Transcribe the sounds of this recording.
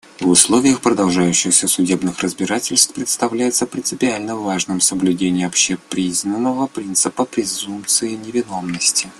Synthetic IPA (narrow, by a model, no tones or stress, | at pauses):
vʊslˠovʲɪjəxpɾəd̪ɐlˠʐajʉɕːɪxsʲəsʊdʲe̞bnɨxrəzbʲɪɾatʲɪlʲst̪pɾʲɪt̪st̪ɐvlʲæjɪt̪səpɾʲɪnt̪sɨpʲɪalʲnəvaʐnɨmsəblʲʉdʲenʲɪjɐpɕepɾʲiznənːəvəpɾʲint̪sɨpəpɾʲɪzumpt̪sɨjɪnʲɪvʲɪno̞mnəsʲtʲɪ